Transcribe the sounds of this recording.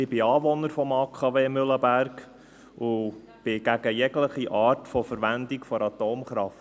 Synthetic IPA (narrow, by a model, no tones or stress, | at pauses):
ɪbɪɑːʋɔnəɾfɔmɑːkʰɑʋeːmʏləbærk | ʊ | b̥ɪɡ̥æɡəjɛɡləχiʔɑːrtfɔfəɾʋænd̪ikfɔɾɑt̪oːmχɾɑft